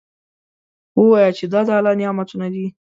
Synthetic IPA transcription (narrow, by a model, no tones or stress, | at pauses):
wəwɑjat͡ʃed̪ɑd̪əalɑnɪjɑmat̪unad̪i